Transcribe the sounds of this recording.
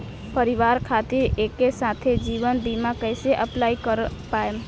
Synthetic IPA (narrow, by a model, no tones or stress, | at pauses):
pəɾiʋaɾkʰat̪iɾekːesat̪ʰed͡ʒiʋənd̪imakəɪseʔəplaikəɾpaem